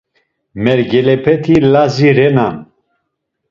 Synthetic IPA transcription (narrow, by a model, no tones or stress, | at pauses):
mɛɾɡɛlɛpʰɛt̪ʰilaziɾɛnan